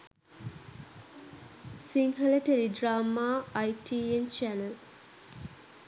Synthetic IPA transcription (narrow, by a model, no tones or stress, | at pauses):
siŋɦɐleteɾidɾamaːjtient͡ʃɛnel